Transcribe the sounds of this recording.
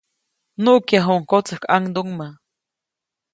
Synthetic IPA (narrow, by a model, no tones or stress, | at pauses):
nuʔkjaɦoŋkot͡səhkʰaŋd̪uŋma